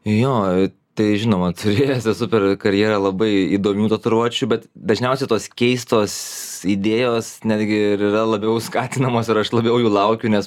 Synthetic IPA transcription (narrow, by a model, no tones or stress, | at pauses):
joː | t̪ɐɪʒʲɪnoːmɐt̪ʰʊɾʲeːjɛsɛsʊpʲɛrkɐɾʲjeːɾɐlˠɐbɐɪiːd̪oːmʲuːt̪oːt̪ʊɾoːt͡ʃʲubʲɛt̪d̪ɐʒʲnʲɛʊsʲɛɪt̪oːskʲɛɪst̪oːsid̪ʲeːjoːsnʲæːd̪ʲɡʲɪɪɾirɐlˠɐbʲɛʊskɑːt̪ʲɪnɐmoːsɪɾɐʃlˠɐbʲɛʊjuːlˠɐʊkʲʊnʲɛs